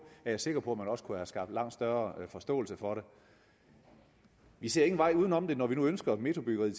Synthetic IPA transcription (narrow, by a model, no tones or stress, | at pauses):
æɐjɑ̈se̝ɡ̥ɐpʰɒ̽æmænɒ̽sə̥kʰuæsɡ̥ɑ̈ːb̥d̥lɑ̈ŋ̰d̥sd̥ɶɐfɒ̽sd̥ɔ̰̽ːlsəfɒ̽ɾe̝ | ʋise̝ɐe̝ŋn̩ʋɑ̈ɪ̰uːð̞ˠn̩ɒ̽md̥e̝nɒʋinuønsɡ̥ɐme̝t͡sʰo̝b̥yɡ̥ɐʁi